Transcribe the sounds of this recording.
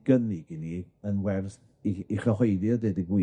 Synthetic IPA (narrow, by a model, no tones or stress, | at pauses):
ɡ̥əniɡɪni | ənwɛrð | iiχɔɦojðjɔdedəɡwɪ